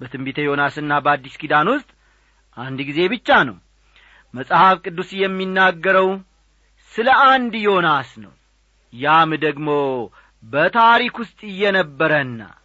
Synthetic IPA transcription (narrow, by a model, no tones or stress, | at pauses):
bət̪ʰɨmbit̪ʰəjo̞nasɨnːabəad̪ːiskid̪anwʊst̪ʼ | ʔand̪ɡize̞bɨt͡ʃːanə̰w | məsʼhafkʼɨd̪ːusjɛmːinːaɡːəɾəw | sɨləʔand̪jo̞nasnəw | jamd̪əɡmo̞ | bət̪ʰaɾikwʊst̪ʼɨjːɛnəbːəɾənːa̰